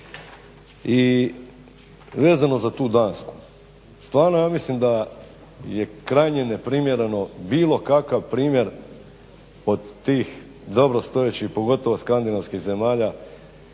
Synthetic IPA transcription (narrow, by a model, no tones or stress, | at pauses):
i | ʋe̞ːzano̞zat̪uːd̪aːnsku̥ | st̪ʋaːɾnojaːmislimd̪a | jekɾajɲenepɾimjeɾe̞no̞biːlˠo̞kakaʋpɾiːmʲje̞ɾ | o̞d̪ːiːx | d̪o̞bɾo̞st̪o̞jet͡ɕixpo̞ɡo̞t̪o̞ʋoskand̪inaʋskiɣze̞maːʎa